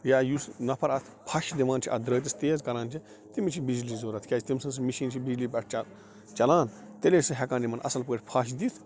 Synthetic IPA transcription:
jaːjusnɐpʰɐɾɐt̪ʰpʰɐʃd̪iʋãːnt͡ʃʰiʔɐ̰d̪ɾəːt̪̬ʲist̪eːzkɐɾãːnt͡ʃʰi | t̪imit͡ʃʰibid͡ʒliːzoːɾɐt̪ʰkʲaːt͡ʃʰit̪imsɐns̬miʃiːnt͡ʃʰibid͡ʒliːbɐʈʰt͡ʃɐ | t͡ʃɐlaːnt̪elʲeːsɐɦɛkãːnʲimɐnɐ̰sɐlpəːʈʰʲpʰɐʃ̬d̪it̪ʰ

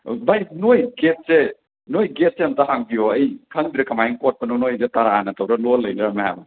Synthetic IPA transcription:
bajnojɡet̚se | nojɡet̚seɐmtaɦaŋbioɐjkʰaŋdiɾɐkʰamajiŋkot̚pɐnonojzetaɾaanɐtʰawɾɐlɔlːɐjdamaha̰ba

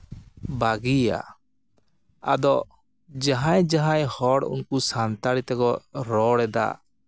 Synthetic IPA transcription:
baɡia̰ | a̰d̪ɔ | d͡ʒaɦãjd͡ʒaɦãjhɔɽṵnkusant̪aɽit̪ɛkɔɾɔɽɛd̪a̰

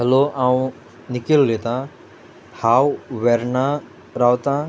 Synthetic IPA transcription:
ɦɐloʔaːũ | nɪkilːet̪ã | haːwʋeɾna | ɾaːwt̪ãː

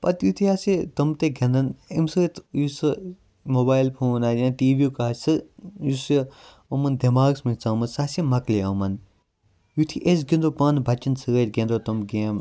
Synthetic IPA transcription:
pɐt̪jut̪ʰiaːsit̪ɐmt̪eɡʱʲɐ̃nd̪ɐnemsɨɣɐt̪ʰjusɨ | moːbaːjlpʰoːnajãːtiːbikaːsɨjusi | omɐnd̪ʱemaːɡsmint͡samɐnsaːsimɐkleomɐn | jut̪ʰiʔes̬ɡinɾopɐnbʱɐt͡ʃːɐnsɨɣɐt̪ɡenɾot̪ɐmɡeːm

